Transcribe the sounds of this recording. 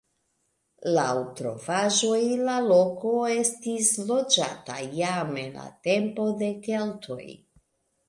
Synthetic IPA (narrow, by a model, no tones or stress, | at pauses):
lawtɾo̞̰vaʒo̞jlalo̞ko̞e̞stislo̞d͡ʒa̰ta̰jamenla̰te̞mpo̞de̞ke̞ltʰo̞̰j